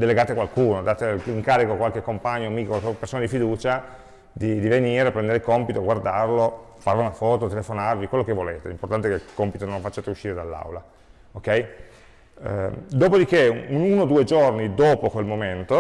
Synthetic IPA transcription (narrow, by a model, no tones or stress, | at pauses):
d̪eleɡaːt̪ekwalkuːnod̪aːt̪eiŋkaːɾikokwalkekːompaɲːomiːkokwalkepːersoːnad̪ifid̪uːt͡ʃa | d̪id̪iveniːɾepɾɛnd̪eɾeikompit̪oɡward̪arlo | farviunafɔːt̪ot̪elefonarvikwelːokevoleːt̪ḛlimport̪ant̪ekekompit̪onõɱfat͡ʃːaːt̪euʃːiːɾed̪alːa̰wla | okːɛj | d̪oːpod̪ikeununod̪uːed͡ʒornid̪oːpokwelmoment̪o